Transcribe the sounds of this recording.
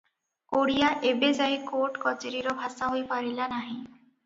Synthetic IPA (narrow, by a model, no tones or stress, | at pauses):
koɽijaʔebed͡ʑajkoʈkɔt͡ɕeɾiɾobʱasaɦojpaɾilanaɦĩ